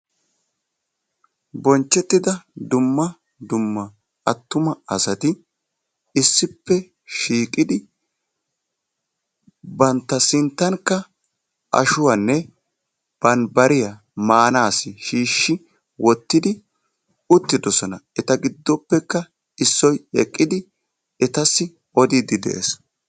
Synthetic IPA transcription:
bɔnt͡ʃːɛt̪ːɪd̪ɐd̪ʊmːɐ | d̪ʊmːɐ | ɐt̪ːʊmɐɐsɐt̪ɪ | ɪsːɪpːɛ | ʃiːkʼɪd̪ɪ | bɐnt̪ːɐsɪnt̪ːɐŋkːɐ | ʔɐ̰ʃʊwɐnːɛ | b̥ɐnbɐɾɪjɐ | maːnaːsɪʃiːʃːɪ | wɔt̪ːɪd̪ɪ | ʊt̪ːɪd̪ɔsɔnɐɛt̪ɐɡɪd̪ːɔpːɛkːɐ | ɪsːɔjɛkʼːɪd̪ɪ | ɛt̪ɐsːɪ | ɔd̪id̪ɪd̪ɛ̰ʔḛs

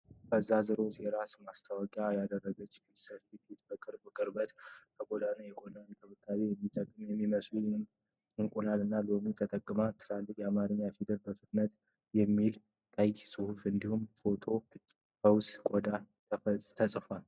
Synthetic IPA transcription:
kʰəzːazɨɾo̞zjɛɾasmast̪ʰawɔkʼjajad̪ərːəɡət͡ʃːkʰisəfit̪ʰet̪bəkʼɨɾbəkʼɨɾbət̪kʰəɡo̞d̪anajɛɡod̪ankʰɨβɨkʼːazejɛmːit̪ʼəkʼːɨmjɛmːiməslu | ɨŋkʼunalɨnːalomit̪ʰət̪ʼəkʼːɨmat̪ʰɨlalːɨkʼjɛamaɾəɲːafid̪əlbəfɨt̪nət̪ | jɛmːil | kʼəjsʼɨhufɨnd̪ihumfo̞t̪ʰo̞ | həwskʼɔd̪a | t̪ʰəsʼfal

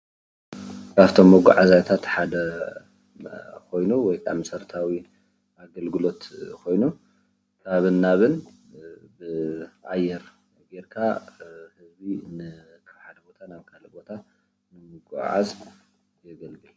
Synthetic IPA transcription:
aβt̪ʰo̞mːɐɡṵʕazajt̪ʰat̪ħad̪ɐ | kʰo̞jnuwɔjkʰʼa̰msɐɾt̪ʰawi | aɡɐlɡɨlo̞t̪kʰo̞jnu | kʰaβɨnːaβɨn | bɨʔajːɛɾ | ɡeɾkʰahɨzbinɨ | kʰaβħad̪ɐbo̞t̪ʰanaβkʰalɐbo̞t̪ʰa | nɨmɨɡṵʕa̰z | jɛɡɐlbɨ

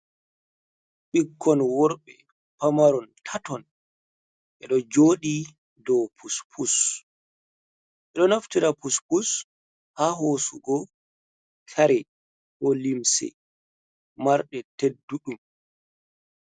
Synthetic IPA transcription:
ɓiɡːɔnwɔɾɓɛ | pamaɾɔntʰatɔn | ʔɛɗɔd͡ʒoːɗi | dɔwpʰuspʰus | ʔɛɗɔnaftiɾapuspus | haɦoːsuɡɔ | kʰaɾɛ | hɔlimsɛ̰ | maɾɗɛtedːuɗum

